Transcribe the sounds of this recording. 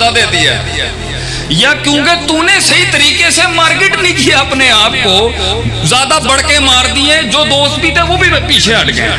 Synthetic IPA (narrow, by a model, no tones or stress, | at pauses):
aːd̪eːd̪ijaɛ | jaːkjõːket̪uːneːsəɦit̪əɾiːkeːsemaːɾkeːʈnĩːkieəpneːaːp̚koːzaːd̪aːbəɽkẽːmaːɾd̪iːɛ̃ːd͡ʒoːd̪oːst̪̚biːt̪ɛ̃ːʋoːbʱipiːt͡ʃʰeəʈɡəḛ